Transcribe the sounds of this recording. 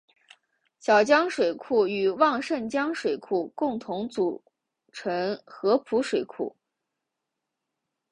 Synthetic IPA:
ɕjɑ˨˩ʊt͡ɕjɑ˥ŋʂwe˨˩ɪkʰu˥˩y˨˩wɑ˥˧ŋʂə˥˩nt͡ɕjɑ˥ŋʂwe˨˩ɪkʰu˥˩kʊ˥˩ŋt̪ʰʊ˧˥ŋt͡su˨˩ | ʈ͡ʂʰɤ˧˥ŋxɤ˧˥pʰu˧˥ʂwe˨˩ɪkʰṵ˥˩˦

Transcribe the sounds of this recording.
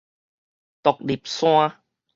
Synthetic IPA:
t̪ɔ˨k̚li˨˩p̚sw̃ã˦

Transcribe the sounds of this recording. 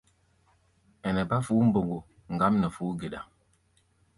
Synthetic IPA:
ɛ˨nɛ˨ba˦fu˨˦m̩˦bo˨ŋɡo˨ | ŋ̩˨ɡa˦mnɛ˨fuː˨˦ɡe˨ɗa̰˨

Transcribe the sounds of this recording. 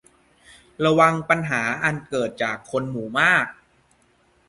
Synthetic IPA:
ɾa˧wa˧ŋpa˧nɦaː˩˦ʔa˧nkɤː˨˩t̪̚t͡ɕaː˨˩kʰːo˧nmuː˩˦maː˥˩k̚

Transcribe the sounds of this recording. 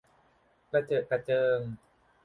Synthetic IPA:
pɾa˧t͡ɕɤː˨˩t̪̚pɾa˧t͡ɕɤː˧ŋ

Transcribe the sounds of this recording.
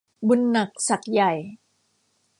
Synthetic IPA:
bu˧nːa˨˩k̚sa˨˩k̚ja˨˩j

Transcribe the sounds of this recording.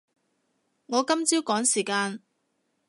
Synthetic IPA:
ŋɔː˨˧kɐ˥mt͡siː˥wkɔː˨˥ŋsiː˨˩kaː˧n

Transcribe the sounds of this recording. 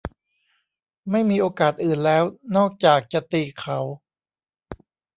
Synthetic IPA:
ma˥˩jmiː˧ʔoː˧kaː˨˩t̪̚ʔɯː˨˩nlɛː˦˥wnɔː˥˩k̚t͡ɕaː˨˩k̚t͡ɕa˨˧˩t̪iː˧kʰa˨˩˦w

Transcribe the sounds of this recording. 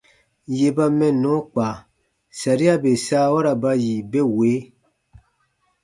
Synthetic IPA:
je˧ba˧mɛ̃˦nɔ̃˨˦k͡paː˨ | sa˨ɾi˦a˦be˨saː˦wa˦ɾa˨ba˧ji˨be˦we˨˦

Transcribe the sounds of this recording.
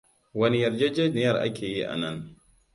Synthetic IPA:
wɐ˦ni˦jɐ˨rd͡ʒe˦d͡ʒe˦nɪ˦jɐ˦˨ɾʔa̰˦kʲʰeː˨ji˦ʔa̰˨nɐ˦n

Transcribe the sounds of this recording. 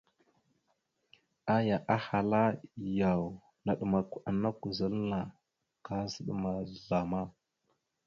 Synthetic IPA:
a˦ja˨ʔa˦ha˨la˦ja˨w | na˨ɗə˨ma˨kʷa˨na˦ku˨zə˦lna˨ | ka˦zə˦ɗma˨ɮa˨ma˦

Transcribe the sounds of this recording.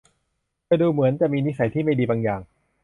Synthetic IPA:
kaː˧˩jduː˧mɯ˩˦ənt͡ɕa˨˩miː˧ni˦˥sa˩˦jt̪ʰiː˥˩ma˥˩jdiː˧baː˧ŋjaː˨˩ŋ

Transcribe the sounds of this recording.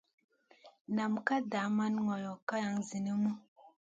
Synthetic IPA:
na˨mka˦da˨˦ma˦nŋɔ˨jɔ˨ka˦ja˨˦ŋzi˨ni˦mu˦

